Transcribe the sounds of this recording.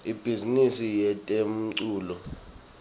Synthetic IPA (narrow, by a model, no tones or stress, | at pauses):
ib̥ʱizinisijɛtʼem̩ǀuːlɔ